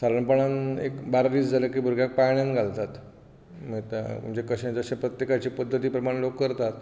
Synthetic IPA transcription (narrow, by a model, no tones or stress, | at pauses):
saɾəɳpəɳanekbaɾdiːt͡sd͡zaləkiːbʱuɾɡʱjak̚pajɳjanɡʱalt̪at̪ | mət̪amṵmt͡ɕekəɕãt͡saɕapɾət̪jekat͡ɕiːpəd̪ʱːət̪iːpɾəmaɽlokːəɾt̪at̪